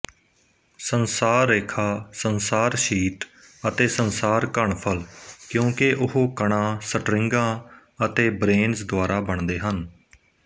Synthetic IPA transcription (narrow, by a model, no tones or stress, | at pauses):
sənsaːɾːeːkʰaːsənsaːɾʃiːʈ | ət̪eːsənsaːɾkəɳpʰəlkjõːkeʔʊɦoːkəɳ̃ãːsəʈɾɪ̃ŋɡãː | ət̪eːbɾeːnzd̪ʊwaːɾaːbəɳd̪eːɦən